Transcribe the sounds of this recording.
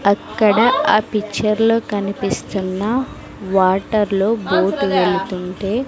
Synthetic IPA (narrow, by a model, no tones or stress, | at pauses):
ɐkːɐɽɐaːpikːt͡ʃːɐɾlo̞ːkɐnipist̪unːɐ | ʋaːʈɐɾlo̞ːboːʈʋe̞ɭut̪uɳʈe̞ː